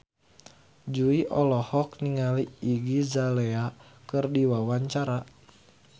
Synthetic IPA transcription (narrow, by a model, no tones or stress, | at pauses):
d͡ʒuiʔɔlɔhɔk̚niŋaliiɡizalɛakɨrdiwawaɲt͡ʃaɾa